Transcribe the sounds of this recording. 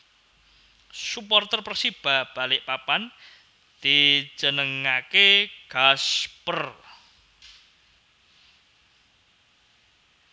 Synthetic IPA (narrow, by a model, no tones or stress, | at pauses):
supɔrt̪ərpərsib̥a̤b̥a̤lɪʔpapan | d̪̥id͡ʒənəŋakeɡ̥aspər